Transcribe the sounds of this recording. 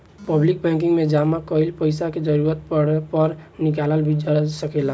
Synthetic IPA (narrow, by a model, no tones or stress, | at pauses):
pəblik̚bɛ̃ŋkiŋɡmed͡ʒamakəɪlpəɪsaked͡ʒəɾuɾət̪pəɽɛpəɾnikaləlbʱid͡ʒəsəkɛla